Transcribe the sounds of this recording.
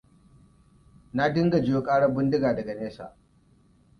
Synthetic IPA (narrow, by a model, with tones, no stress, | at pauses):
na˦dɪ˦ŋɡa˨d͡ʒɪ˦jo˦kʼaː˦ɽɐ˦bɪ˦ndɪ˦ɡaː˨dɐ˨ɡa˨neː˦sa̰ː˨